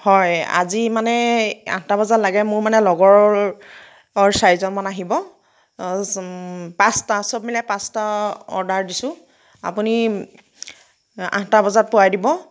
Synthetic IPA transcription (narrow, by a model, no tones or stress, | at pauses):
hɔja̰zimanɛã̰ɦtabɔzatlaɡɛmʊɹmanɛlɔɡɔɹ | ɔɹsaɹizɔnmanaɦibɔ | pãstasɔb̚milɛpãstaɔ̰ɹdaɹdisʊ̃ | a̰puni | ã̰ɦtabɔzat̚pʊwajdibɔ